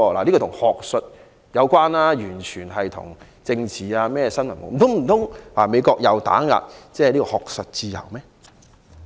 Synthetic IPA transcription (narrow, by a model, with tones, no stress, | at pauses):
ɔ˧laː˨˩liː˥kɔː˧t̪ʰʊ˨˩ŋhɔː˨k̚sɵ˨t̚ | jɐ˨˧wkʷaː˥naː˥jyː˨˩nt͡ʃʰyː˨˩nɦɐ˨jt̪ʰʊ̰˨˩ŋ | t͡sɪ˧ŋt͡sʰiː˨aː˧mɛː˥ɛ˧sɐ˥nmɐ˨˩nmo̰˨˩m̩˨t̪ʰʊ˨˥ŋm̩˨˩t̪ʰʊ˨˥ŋwaː˨˩me˨˧jkɔː˧k̚jɐ˨˧wt̪a̰ː˨˥ŋa̰ː˨t̚t͡sɛː˥˧˨liː˥kɔː˧hɔː˨k̚sɵ˨t̚t͡siː˧jɐ̰˨˩wmɛː˦˥